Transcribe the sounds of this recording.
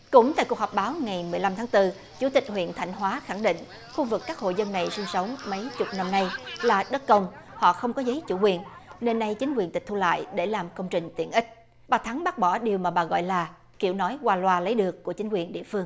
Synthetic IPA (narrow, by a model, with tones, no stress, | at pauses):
kʊ̰˧˩ŋ͡mt̪a̰ː˧˨jku˨˩k̚hɔ˨˩p̚ɓaː˨˦wŋa˨˩jmɨ˨˩əjla˧mt̪ʰaː˨˦ŋt̪ɨ˧ | t͡ɕu˧˩t̪ï˨˩k̟hwḭ˧˨ənt̪ʰa˧˩jŋ̟ɦwaː˨˦xa˧˩ŋɗḭ̈˧˨ŋ̟ | xu˧vɨ˨˩kːaː˦˥k̚ho̰˧˨jzə˧nːa˨˩jsi˧ŋsə˨˦wŋ͡mmə˨˦jt͡ɕʊ˨˩k͡p̚na˧mna˧jlaː˨˩ɗə˦˥t̚kə˧wŋ͡m | hɔ̰˧˨xə˧wŋ͡mkɔ˨˦zə˨˦jt͡ɕṵ˧˩kwi˨˩ənne˧nːa˧jt͡ɕï˨˦ŋkwi˨˩ənt̪ï˨˩k̚t̪ʰu˧la̰ː˧˨jɗe˧˩laː˨˩mkə˧wŋ͡mt͡ɕï˨˩ŋ̟t̪ḭ˧˨ənʔï˦˥k̟̚ | ɓaː˨˩t̪ʰa˨˦ŋɓaː˦˥t̚ɓɔ˧˩ɗi˨˩əwmaː˨˩ɓaː˨˩ɣɔ̰˧˨jlaː˨˩ | ki˧˩əwnɔ˨˦jkwaː˧lwaː˧lə˨˦jɗɨ˨˩əkːu˧˩ət͡ɕï˨˦ŋkwi˨˩ənɗḭ˧˨əfɨ˧əŋ